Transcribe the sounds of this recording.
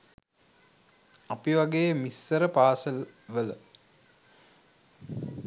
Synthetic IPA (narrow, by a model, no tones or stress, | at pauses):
apiʋaɡeːjəmisːəɾəpaːsəlʋələ